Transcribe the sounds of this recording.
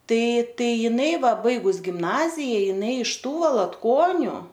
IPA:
ˈtɐɪ ˈtɐɪ ˈjɪnɐɪ ˈʋɐ ˈbɐɪɡʊs ɡʲɪmˈnɑːzʲɪjɛ jɪˈnɐɪ ɪʃ ˈtuː ʋɐlˠɐtˈkoːnʲʊ

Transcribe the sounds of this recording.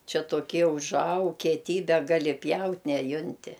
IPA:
ˈt͡ʃʲɛ toːˈkʲiɛ ʊʒˈɐʊk kʲiɛˈtʲiːbʲɛ ˈɡɑːlʲɪ ˈpʲjɛʊtʲ nʲɛˈjʊnʲtʲɪ

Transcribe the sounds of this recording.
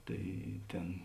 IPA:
ˈtɐɪ ˈtʲeːn

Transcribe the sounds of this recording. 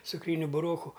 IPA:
t͡sʊkˈrʲiːnʲʊ bʊˈroːkʊ

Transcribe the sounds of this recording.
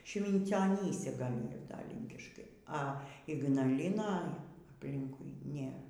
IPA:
ʃʲʋʲɪnʲt͡sʲoːˈnʲiːsʲɛ ˈɡɐlʲ ˈiːr dɐ ˈlʲiːŋʲkʲɪʃkɐɪ ɐ ɪɡnɐˈlʲɪnɑː ɐpʲˈlʲɪŋkʊɪ ˈnʲeːr

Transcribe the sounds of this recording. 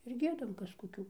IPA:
ɪr ˈɡʲiɛdɐm ˈkɐs koːˈkʲuː

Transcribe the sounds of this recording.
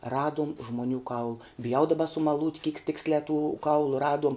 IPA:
ˈrɑːduɔm ʒmoːˈnʲuː kɐʊlˠ bʲɪˈjɛʊ dɐˈbɐ sʊmɐˈlˠuːtʲ kʲiːk ˈtʲɪksʲlʲæː tʊ ˈkɐʊlˠʊ ˈrɑːduɔm

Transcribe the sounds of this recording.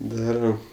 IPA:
ˈdɑːrɐm

